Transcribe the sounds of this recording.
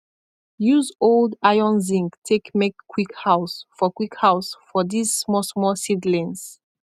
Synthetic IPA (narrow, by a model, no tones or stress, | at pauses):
juzoldajɔ̃nzĩŋktʰekmekʰːwikhaʊsfɔkwikhaʊsfɔdizsmɔsmɔsidlɛ̃ns